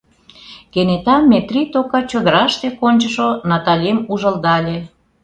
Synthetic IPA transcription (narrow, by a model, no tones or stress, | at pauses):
kenet̪ɑmʲːet̪rit̪okɑt͡ɕod̪əɾɑʃt̪ekonʲt͡ɕəʃonɑt̪ɑlʲemuʒə̆ld̪ɑlʲe